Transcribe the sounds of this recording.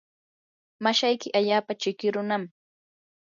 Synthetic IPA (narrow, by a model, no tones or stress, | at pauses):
maʃajkɪʔaʎaːpat͡ʃɪkɪɾʊnam